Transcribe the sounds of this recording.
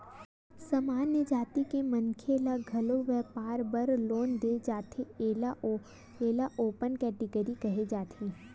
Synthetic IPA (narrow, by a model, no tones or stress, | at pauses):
sɐmaːnjəd͡ʒaːt̪ikemə̃nkʰeːlaɡʱɐloʋɛːpaːɾbəɾloːnd̪eːd͡ʒaːt̪ʰeeːla | eːlaʔoːpənkɛːʈɪɡəɾikɐɦed͡ʒaːt̪ʰẽː